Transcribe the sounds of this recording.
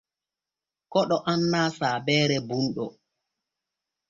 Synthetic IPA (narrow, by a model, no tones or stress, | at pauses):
kɔɗɔʔanːaːsaːbɛːɾɛbunɗɔ